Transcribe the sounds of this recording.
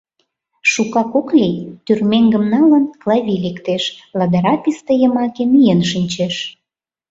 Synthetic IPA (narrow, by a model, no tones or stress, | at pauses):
ʃukɑkoklʲijt̪yrmeŋɡə̆mnɑlə̆nklˠɑβʲilekt̪eʃlɑd̪əɾɑpʲist̪ə̆jə̆mɑkemijenʃinʲt͡ɕeʃ